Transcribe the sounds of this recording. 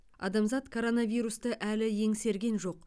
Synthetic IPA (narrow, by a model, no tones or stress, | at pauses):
ɑ̰d̪ɑmzɑt̪kʰo̞ɾo̞nɑvijɾust̪əʔælɪje̞ŋse̞ɾɡʲe̞nʒo̞q